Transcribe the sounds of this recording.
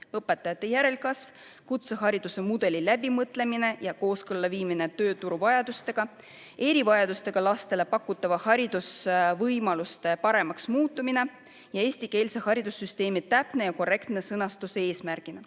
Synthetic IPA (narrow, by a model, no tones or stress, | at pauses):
ɤpːˑe̞t̪ːˑɑjɑt̪ˑːe̞jæɾe̞lkɑsv̥ | kut̪seɦɑɾid̪̥use̞mud̪̥e̞lilæb̥imɤt̪ːˑle̞mine̞jɑko̞ːskɤlːɑviːmine̞t̪ø̞ːt̪uɾuvɑjɑd̪̥ust̪e̞ɡ̥ɑ | e̞ɾivɑjɑd̪ust̪e̞ɡ̥ɑlɑst̪e̞le̞pɑkːˑut̪ːˑɑvɑhɑɾid̪̥usvɤjmɑlust̪e̞pɑɾe̞mɑksmuːt̪ːˑumine̞ | jɑe̞ːsʲt̪ike̞ːlsehɑɾid̪̥usːyst̪e̞ːmit̪ːæpne̞jɑko̞re̞kt̪ne̞sɤnɑst̪usee̞ːsmæɾɡ̥inɑ